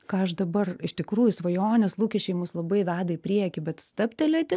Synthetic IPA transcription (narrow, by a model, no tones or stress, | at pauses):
kɑːɐʃd̪ɐbɐrɪʃt̪ʲɪkɾuːjʊsʋɐjoːnʲɛslˠuːkʲɛʃʲt͡ʃʲɛɪmuːslˠɐbɐɪʋʲæːd̪ɐɪpʲɾʲiɛkʲɪbʲɛt̪st̪ɐpʲt̪ʲɛlʲɛtʲɪ